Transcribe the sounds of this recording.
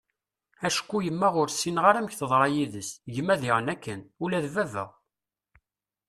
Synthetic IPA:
æʃkʷːujəmːæʁʊɾsinʁaɾæmçθəðˤɾˤɑjiðəsʝəmːæðiʁənækːənulæðvævə̰ʁ

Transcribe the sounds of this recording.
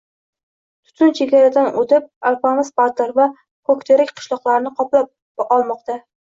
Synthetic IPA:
t̪ʰʊ̥t̪ʰʊnt͡ʃʰeɡʲaɾad̪anot̪ʰɪp̚alfamaspat̪aɾva | kʰokʲt̪ʰeɾɪkʲqʰɨ̥ʃlˠɒqlˠaɾnɪqʰɒplap̚ | qɒlˠmɒqt̪a

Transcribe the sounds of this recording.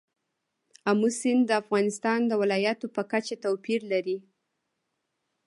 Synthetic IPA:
amusɪnd̪əafɣɑnɪst̪ɑnd̪əwɪlɑjat̪opəkat͡ʃat̪awpiɾlaɾi

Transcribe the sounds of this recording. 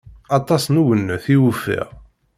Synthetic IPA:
ɑt̪ˤɑsnuwənːuθiwufḭʁ

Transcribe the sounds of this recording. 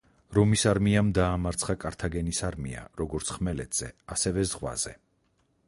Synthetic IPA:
ɾɔmisaɾmiamd̪aːmaɾt̪sʰχakʼaɾt̪ʰaɡɛnisaɾmḭa̰ɾɔɡɔɾt̪sʰχmɛlɛt̪ʰz̥ɛ̰asɛvɛzʁwa̰z̥ɛ̰

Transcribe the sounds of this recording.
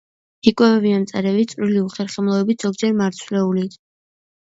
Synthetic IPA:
ikʼwɛvɛviamt̪sʼɛɾɛvit̪sʼɾiliuχɛɾχɛmlˠɔɛbit̪ʰz̥ɔɡ̚d͡ʒɛɾmaɾt̪sʰwlɛuli

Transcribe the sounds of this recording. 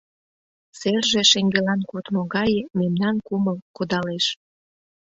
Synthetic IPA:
serʒĕʃeŋɡelɑnkot̪moɣɑjememnɑnkuməlkod̪ɑleʃ

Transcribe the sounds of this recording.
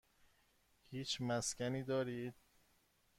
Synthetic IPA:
hiːt͡ʃʰmæscæniːd̪ɒːɾiːd̪̥̚

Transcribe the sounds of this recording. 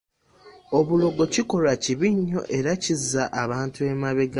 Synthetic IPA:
o̞βulo̞ɡo̞ciko̞laciβiɲːo̞̰ʔe̞ɾacizːaʔaβaːntue̞maβeɡa

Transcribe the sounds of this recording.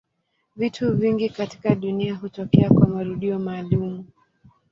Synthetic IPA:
vitʰuviŋɡikati̥kaɗuniaɦutɔkɛakwamaɾuɗiɔmaːlumu

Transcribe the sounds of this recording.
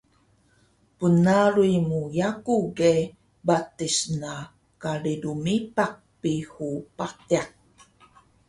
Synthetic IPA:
pənaɾuimujakuɡe | batisna | kaɭidumipak̚pihupatiak̚

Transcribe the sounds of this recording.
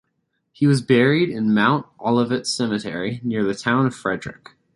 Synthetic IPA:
hiwʌzbɛɹiɾɪ̃nmãʊ̃ntʔɑlˠəvɨtsɛmɨtʰɛ̰ɹinɪɹðɨtʰãʊ̃nʌv̥fɹɛdɹɨ̰k

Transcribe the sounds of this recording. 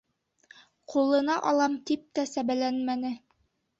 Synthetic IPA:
qʰulˠɤ̆nɑʔɑlˠɑmt̪ip̚t̪æsæβælænmænɘ

